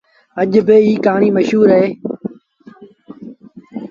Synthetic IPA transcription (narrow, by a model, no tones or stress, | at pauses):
əʄbɪiːkaːɳiːməʃuːɾɦeː